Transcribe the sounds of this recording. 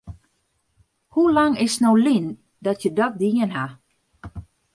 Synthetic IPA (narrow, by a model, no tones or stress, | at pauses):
hulaŋɪsnowlin | dɔtjədɔt̚diənɦa